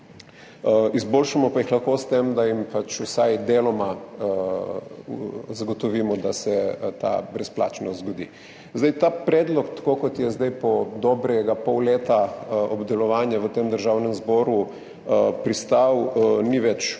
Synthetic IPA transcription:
izboːlʃamɔpajixlɐxkost̪emd̪ajimpat͡ʃusajd̪elɔma | zaɡɔt̪ɔʋiːmɔd̪asɛt̪a̰bɾɛspla̰ːt͡ʃnɔzɡɔd̪ḭː | zd̪ajt̪aːpɾɛːd̪lɔkt̪ḁkoːkɔt̪jɛzd̪ajpɔd̪ɔːbɾɛɡapɔwleːt̪aɔbd̪ɛlɔʋaːnjaʋət̪emd̪əɾʒawnɛmzbɔːɾu | əpɾist̪awniʋɛt͡ʃ

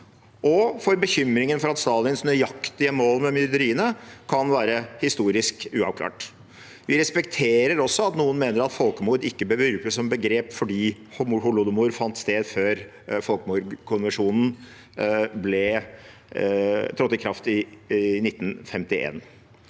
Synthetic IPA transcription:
ʔɔfɔɾbəçʏmɾɪŋənfɔɾɑt̪st̪ɑːlɪnsnəjɑkt̪ɪəmoːlmɛmʏɾd̪əɾiːənəkʰɑnʋæːɾəhɪst̪uːɾɪskʉːɑ̰ʋkʰlɑ̰ːʈ | ʋɪɾɛspɛkt̪ʰeːɾəɾɔsːɔɑt̪nuːənmeːnəɾɑt̪fɔlkəmuːɾɪkːəbəʋʏɾkəsɔmbəɡɾeːpfɔɖiː | hmuhʊlʊd̪əmuːɾfɑnt̪st̪eːd̪føːɾ | fɔlkəmuːɾkʰʊnʋəʂuːnn̩ | blɛ | t̪ʰɾɔt̪ːɪkʰɾɑft̪ɪnɪt̪ːn̩fɛmt̪ɪʔḛːn

